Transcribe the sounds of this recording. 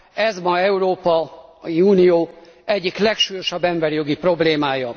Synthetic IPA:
ɛzmɒɛuɾoːpɒiuːnijoː | ɛɟːiklɛkʃuːjo̞ʃɒbːɛmbɛɾijo̞ɡipro̞bleːmaːjɒ

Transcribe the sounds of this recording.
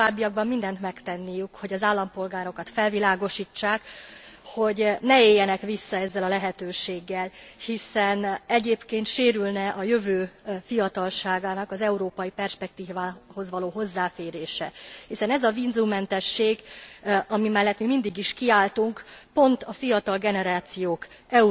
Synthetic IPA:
aːbːiɒɡ̚bɒmːind̪ɛnt̪mɛkt̪ɛnːijykho̞ɟɒzaːlːɒmpo̞lɡaːɾo̞kɒt̪fɛlvilaːɡo̞ʃiːt͡ʃːaːkho̞ɟnɛeːjːɛnɛkʋisːɒɛzːɛlɒlɛɦɛt̪øːʃeːɡːɛlhisɛnɛɟeːpkeːnt̪ʃeːɾylnɛʔɒjø̞vøːfijɒt̪ɒlʃaːɡaːnɒkɒzɛuɾoːpɒjipɛrʃpɛk̚t̪iːaːho̞zʋɒloːɦo̞zːaːfeːɾeːʃɛ̰hisɛnɛzɒvinzumːɛnt̪ɛʃːeːɡ | ɒmimɛlːɛt̪mimind̪iɡiʃkiaːlt̪uŋkpo̞nt̪ɒfijɒt̪ɒlɡɛnɛɾaːt̪sijoːkɛu

